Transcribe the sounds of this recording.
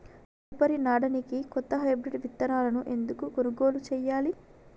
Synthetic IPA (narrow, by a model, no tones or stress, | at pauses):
upɐɾinaːɽɐnikikɔt̪ːɐɦɐjbɾiʈʋit̪ːɐɾaːlɐnuʔe̞nd̪ukuɡonuɡoːlut͡ʃɛːjaːli